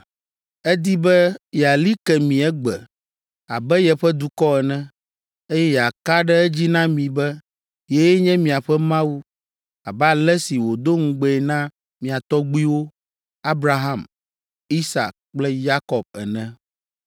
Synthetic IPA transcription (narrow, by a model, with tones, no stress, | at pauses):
ɛ˦d̪i˦bɛ˦jɛ˨a˨li˦kɛ˨mĩ˨ɛ˦ɡ͡bɛ˨ | a˨bɛ˦jɛ˨ɸɛ˦d̪u˨kɔ˦ɛ˨nɛ̃˦ | e˦jɛ˦ja˨ka˦ɖɛ˦ɛ˦d͡ʑi˦nã˦mĩ˨bɛ˦ | jɛ˦jɛ˦ɲɛ̃˦mĩ˨a˨ɸɛ˦mã˦wu˦ | a˨bɛ˦a˨lɛ˦si˨wo˨d̪o˦ŋ̩˦ɡ͡bɛ˦ɛ˨nã˦ | mĩ˨a˨t̪ɔ˦ɡ͡bi˦wo˦ | a˦bɾa˨ɦa˦˨m | i˦sa̰˨k̚k͡plɛ˦ja˦kɔ˨b̚ɛ̰˨nɛ̃˦